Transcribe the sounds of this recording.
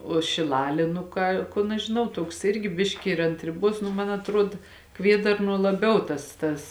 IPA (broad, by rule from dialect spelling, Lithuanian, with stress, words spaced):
oː ʃʲɪˈlˠɑːlʲeː nʊ ˈkɑː ˈkʊn ɐʃ ʒʲɪˈnɐʊ ˈtuɔks ˈɪrʲɡʲɪ ˈbʲɪʃʲkʲɪ ɪr ɐnt rʲɪˈbuɔs nʊ ˈmɐn ɐtˈruɔt ˈkʋʲiɛdɐrnuɔ lˠɐˈbʲɛʊ ˈtɐs tɐs